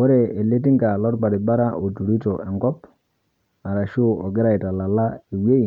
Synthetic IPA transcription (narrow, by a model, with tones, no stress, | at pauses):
wɔ˦ɾe˨e˨le˦ti˦ŋka˨lɔ˦tba˨ɾi˨ba˦ɾa˦o˨tu˨ɾi˦to˨ʔɛ˨ŋkɔ˦p | a˨ɾa˨ʃu˦˨ɔ˨ɡɪ˦ɾa˦˨i˨ta˨la˨la˦i˨we˦i˨